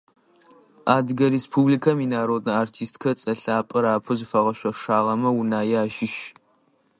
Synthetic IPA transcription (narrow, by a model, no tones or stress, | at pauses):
aːdɡɐɾespʰublikʰɐmiːnaːɾoːtʼɐaːrtʰiːstkʰɐt͡sʼɐɬaːpʼɨɾaːpʰɨzɨfɐʁɐʃʷɐʂaːʁɐmɐwunaːjaːʒɪʃ